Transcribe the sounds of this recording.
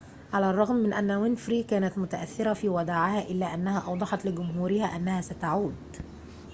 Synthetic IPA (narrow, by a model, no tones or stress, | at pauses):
ʕalærˤːɑɣmːɪnʔænːæwɪnfɾiːkæːnæt̪mʊt̪æʔæθːɪɾæfiːwæd̪aːʕɪhæːʔɪlːæːʔænːæhæːʔɑwd̪ˤɑħɑt̪lɪɡʊmɦuːɾɪhæːʔænːæhæːsæt̪aʕuːd̪